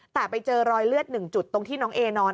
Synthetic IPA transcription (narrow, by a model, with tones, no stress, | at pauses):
t̪ɛː˨˩pa˧jt͡ɕɤː˧ɾɔː˧jlɯ˥˩ət̪̚nɯ˨˩ŋt͡ɕu˨˩t̪ːo˧ŋt̪ʰiː˥˩nɔː˦˥ŋʔeː˧nɔː˧n